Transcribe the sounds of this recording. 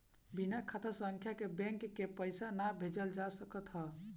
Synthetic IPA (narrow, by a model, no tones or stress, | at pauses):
binakʰat̪əɾsəŋkʰjakebẽŋkːepəjsanabʱed͡ʒəld͡ʒasəkət̪ɦɔ